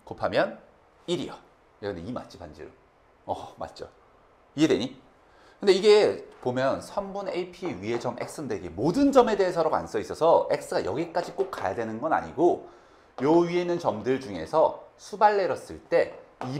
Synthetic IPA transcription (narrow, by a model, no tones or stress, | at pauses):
kopʰamjʌn | iɾḭʌ | ekɯndeima̰t͡ɕʰipand͡ʑḭɾo | ʌma̰t̚t͡ɕ͈o̰ | iedweɲi | kɯndeiɡe̞pomjʌnsʰʌmbuneipʰiɥie̞d͡ʑʌme̞̰k̚s͈ɯndeɡemodɯnd͡ʑʌme̞deːsʰʌɾoɡa̰ns͈ʌis͈ʌsʰʌe̞k̚s͈ɯɡajʌ̰ɡik͈ad͡ʑik͈ok̚k͈ajadwenɯnɡʌna̰ɲiɡo | jʌɥie̞nɯnt͡ɕʌmdɯɭd͡ʑuŋe̞̰sʰʌsʰubaɭːe̞ɾʌs͈ɯɭt͈e̞i